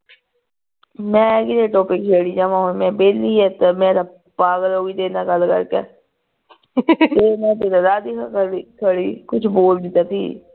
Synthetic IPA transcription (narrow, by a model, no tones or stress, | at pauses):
mɛ̃ːkid̪eʈoːpɪkt͡ʃeːɽiːd͡ʒamãːɦomɛ̃ːbeːliɛːt̪emɛ̃ːt̪a | paːɡəloːɡiːd̪eːnaːɡəlkə̰ɾkɛ̰ː | t̪eːmɛ̃ːt̪ed̪ad̪aːd̪ikʰakəikʰəɽiːkʊt͡ʃʰboːld̪ɪt̪aːt̪ʰḭː